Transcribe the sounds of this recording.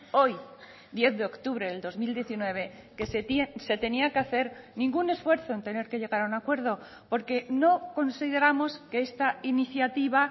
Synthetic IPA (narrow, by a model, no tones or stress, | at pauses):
o̞j | d̪je̞θðeo̞kt̪uβ̞ɾeðeld̪o̞zmild̪je̞θinwe̞β̞e̞ | keset̪ese̞t̪e̞niakeaθe̞ɾnĩŋɡune̞sfwe̞ɾθo̞e̞nt̪e̞ne̞ɾke̞ʎe̞ɣaɾaunakwe̞ɾð̞o̞ | po̞ɾke̞no̞ko̞nsiðe̞ɾamo̞ske̞est̪ainiθjat̪iβ̞a